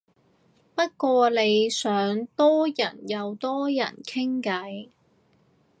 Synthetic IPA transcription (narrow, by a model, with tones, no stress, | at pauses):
pɐ˥t̚kʷɔː˧le˨˧jsœː˨˥ŋt̪ɔː˥jɐ˨˩njɐ˨˧wt̪ɔː˥jɐ̰˨˩nkʰɪ˥ŋkɐ˨˥j